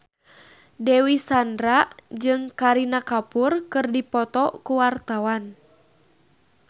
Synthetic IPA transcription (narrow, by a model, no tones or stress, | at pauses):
dɛwisandɾaʔd͡ʒɨŋkaɾinakapurkɨrdipɔt̪ɔkuwart̪awan